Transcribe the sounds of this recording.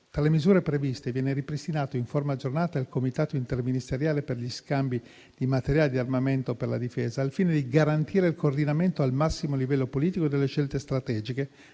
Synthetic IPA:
t̪ɾalemizuːɾepɾevist̪evjɛːneɾipɾist̪inaːt̪oiɱformad͡ʒornaːt̪aelkomit̪aːt̪oint̪erminist̪eɾjaːleperʎiskambi | d̪̥imat̪eɾjaːled̪iarmament̪operlad̪ifeːzaːlfiːned̪iɡaɾant̪iːɾeilkoːrd̪inament̪oalmasːimolivɛlːopoliːt̪ikod̪elːeʃelt̪est̪ɾat̪ɛːd͡ʒike

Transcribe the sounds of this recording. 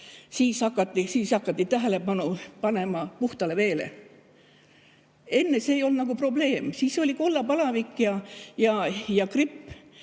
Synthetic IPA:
siːshɑkːˑɑt̪ːisiːshɑkːˑɑt̪ːit̪æɦele̞bɑnupɑne̞mɑpuht̪ɑle̞ʋe̞ːlḛ | e̞nːe̞seːjo̞ld̪nɑɡ̥upro̞ble̞ːmsiːso̞lʲikolːɑpɑlɑvikːjɑjɑjɑkripː

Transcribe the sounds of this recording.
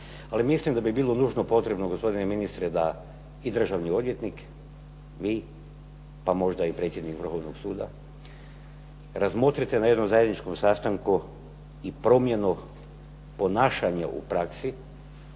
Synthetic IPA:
alimislimd̪abibiːlˠo̞nuːʒnopo̞t̪ɾe̞bnoɡospo̞d̪ineminist̪ɾed̪a | id̪r̩ʒaʋnio̞d̪ʋje̞t̪nik | ʋiː | pamo̞ʒd̪aipɾet̪sje̞d̪nikʋr̩xo̞ʋnoɡsuːd̪a̰ | ɾazmo̞t̪ɾit̪enajed̪nomzaje̞d̪nit͡ʃko̞msast̪aŋku | ipɾo̞mje̞nu | po̞naːʃaɲaʔṵpɾaksi

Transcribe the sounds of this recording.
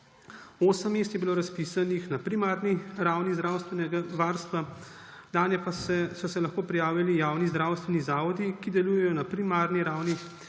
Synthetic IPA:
oːsəmːest̪jɛbiloːɾaspisanixnapɾimaːɾniɾawnizd̪ɾaːwst̪ʋɛnɛɡaʋaːɾst̪ʋa | d̪aːnjɛpasɛsɔsɛlaxkoːpɾijaːwʋilijaːwnizd̪ɾawst̪ʋɛnizaːʋɔd̪ikid̪ɛluːjɛjɔnapɾimaːɾniɾaːwni

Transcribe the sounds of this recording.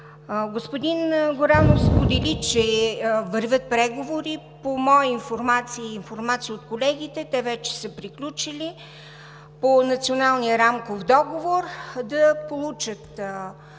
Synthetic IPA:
ɡospod̪inɡoɾanofspod̪ɛlit͡ʃɛvəɾvʲət̪̚pɾɛɡovoɾipomɔiinfoɾmat̪siːnfoɾmat̪sijəot̪kolɛɡ̟it̪ɛt̪ɛvɛt͡ʃɛ̥səpɾiklʲut͡ʃilʲi | ponɐt̪sionalˠnijəɾamkofd̪ɔɡovoɾd̪ɐpolˠut͡ʃət̪

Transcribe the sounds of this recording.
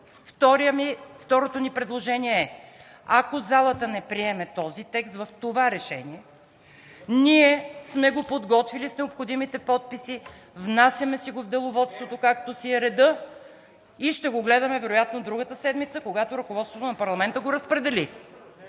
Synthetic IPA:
ft̪ɔɾijəmift̪ɔɾot̪onipɾɛd̪lˠoʒɛniɛɛ | akozalˠət̪ənɛpɾiɛmɛt̪ɔzit̪ɛkst̪vɐft̪ovaɾɛʃɛ̰niɛ | niɛsmɛɡopod̪ɡɔt̪vilisnɛopxod̪imit̪ɛpɔt̪̚pisi | vnasjəmɛsiɡovd̪ɛlˠovɔt̪st̪vot̪okakt̪osiɛɾɛd̪ɤ | iʃt̪ɛɡoɡlɛd̪ɐmɛvɛɾʊjat̪nod̪ɾuɡət̪əsɛd̪mit̪səkoɡat̪oɾɐkovɔt̪st̪vot̪onɐpɐɾlˠɐmɛnt̪əɡoɾɐspɾɛd̪ɛli

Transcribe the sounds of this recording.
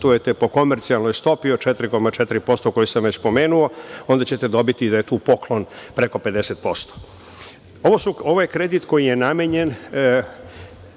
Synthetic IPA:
t̪uje̞t̪epo̞ko̞meɾt̪sialˠnojst̪o̞piot͡ʃet̪ɾiko̞mat͡ʃet̪iɾipo̞st̪oko̞jisamʋet͡ɕspo̞me̞ːnuo̞o̞nd̪at͡ɕe̞t̪e̞d̪o̞bit̪id̪ajet̪uːpo̞klˠo̞npɾe̞ko̞pe̞d̪e̞set̪po̞st̪o̥ | oʋosuo̞ʋojekɾe̞d̪it̪ko̞jije̞nameɲe̞n

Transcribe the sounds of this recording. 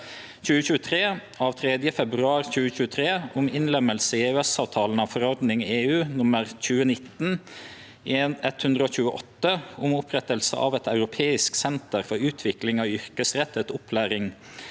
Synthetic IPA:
c͡çʉːəçʉːət̪ʰɾeː | ɑːʋt̪ʰɾɛd̪jəfɛbɾʉɑːɾçʉːəçʉːət̪ʰɾeːʊmɪnlɛməlsəieøɛsɑːʋt̪ʰɑːln̩ɑːʋfɔɾɔɾd̪nɪŋeːʉːnʊməɾc͡çʉːənɪt̪n | eːnɛt̪hʉnd̪ʁəoːçʉːəʔɔt̪ːəʊmʊpʰɾɛt̪əlsə̰ʔɑ̰ːʋɛt̪ʰɑʉɾʊpʰeːɪsksɛnt̪əɾfɔɾʉːt̪ʰʋɪklɪŋɑːʋʏɾkəsɾɛt̪ːɛt̪ʊpʰlæːɾɪŋ

